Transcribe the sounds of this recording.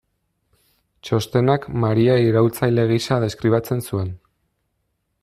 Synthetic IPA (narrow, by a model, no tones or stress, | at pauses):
t͡ʃo̞st̪e̞nakmaɾiaiɾault͡sajle̞ɣiʃað̞e̞skɾiβat͡se̞nsue̞n